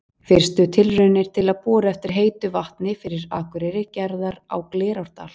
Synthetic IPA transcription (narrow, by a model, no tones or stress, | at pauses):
fɪr̥st̪ʏt̪ʰɪlrʏnɪɾ̥t̪ʰɪlaðpɔːɾaɛft̪ɪɾ̥ɦeːjt̪ʏvaht̪nɪfɪɾɪɾaːkʏɾɛɾɪcɛɾðaɾa̰wklɛːɾawɾ̥t̪a̰l̥